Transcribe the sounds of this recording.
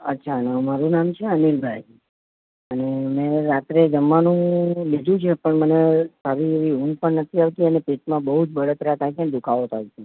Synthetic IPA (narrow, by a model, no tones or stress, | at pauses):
ətːʃʰanəmaɾũnamt͡ʃʰeənilbʱaj | ənemɛ̃ɾat̪ɾed͡ʒəmːanũlid̪ʱũt͡ʃʰepəɳmənesʰaɾiʋiɦũmpəɳnət̪ʰiaʋt̪iənepeʈmãbəɦud͡ʒbəɽət̪ɾat̪ʰajt͡ʃʰend̪ukʰaʋot̪ʰait͡ʃʰe